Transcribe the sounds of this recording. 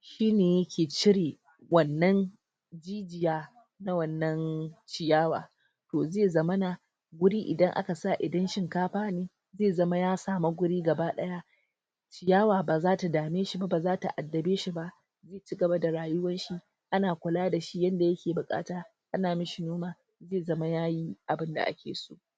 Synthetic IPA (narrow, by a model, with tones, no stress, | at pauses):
ʃiː˦neː˨jɐ˦kʲeː˨t͡ʃɪ˦ɽiː˨ | wɐ˨nːɐ˦n | d͡ʒiː˦d͡ʒɪ˨jaː˦ | na˦wɐ˨nːɐ˦nt͡ʃɪ˨jaː˦wa̰ː˨ | toː˨zeː˦˨zɐ˦mɐ˦na˨ | ɡʷʊ˦ɽiː˦ʔɪ˨dɐ˦ŋʔa̰˦ka˨sa˦˨ʔɪ˨dɐ˦nʃɪ˦ŋkaː˦ɸaː˦neː˦ | zeː˦˨zɐ˦ma˦jaː˦saː˨ma˦ɡʷʊ˦ɽiː˦ɡɐ˨baː˦ɗɐ˦ja˦ | t͡ʃɪ˨jaː˦waː˨baː˨zaː˦ta˨daː˨meː˦ʃi˦ba˦baː˨zaː˦ta˨ʔa˨dːɐ˨beː˦ʃi˦ba˦ʔ | zeː˦˨t͡ʃi˦ɡɐ˨ba˦da˨ɽaː˨jʊ˦wɐ˦nʃi˦ | ʔa˦naː˨kʷʊ˨laː˦da˨ʃi˦jɐ˦nda˨jɐ˦kʲeː˨bʊ˨kʼa̰ː˦taː˦ | ʔa˦naː˨mɪ˦ʃi˨noː˦maː˨ | zeː˦˨zɐ˦ma˦jaː˦ji˦ʔa˨bɪ˦nda̰˨ʔa̰˦kʲḛː˨so̰ː˦